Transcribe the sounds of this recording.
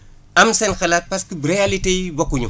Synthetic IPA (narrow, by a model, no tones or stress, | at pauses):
ʔamsɛnxɐlaːt̚pɐskibɾijalitejbɔkːuɲṵ